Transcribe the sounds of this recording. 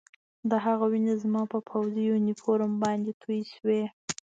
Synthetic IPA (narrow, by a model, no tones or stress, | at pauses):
d̪əɦaɣawinazmɑpəpʰawzijunifoɾəmbɑnd̪et̪ʰujʃwe